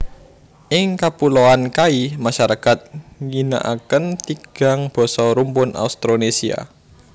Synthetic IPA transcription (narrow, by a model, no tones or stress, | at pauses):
ʔɪŋkapuloankaimaʃaɾakat̪̚ŋina̰ʔa̰kənt̪iɡ̥a̤ŋb̥ɔ̤sɔɾumpʊna̰ust̪ɾonesia̰